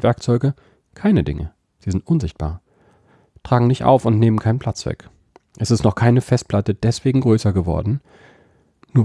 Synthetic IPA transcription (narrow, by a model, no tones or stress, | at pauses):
vɛɐkt͡sɔʏɡə | kʰaɪnədɪ̰ŋə̰ | z̥iːzɪntʔʊnzɪçt̚b̥a̰ːɐ | tʁ̥aːɡŋ̩nɪçtʔa̰ʊfʊntneːmənkʰaɪnpʰl̥at͡sv̥ɛ̰k | ʔɛsɪstnɔχkʰaɪnəfɛst̚pʰl̥atəd̥ɛsv̥eːɡŋ̩ɡʁøːsɐɡəvɔ̰ɐdn̩ | nuːɐ